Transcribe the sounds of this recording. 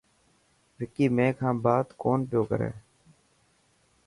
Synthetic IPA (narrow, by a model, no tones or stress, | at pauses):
ʋɪkiːmẽːkʰãːbaːd̪koːnpɪjoːkəɾḛː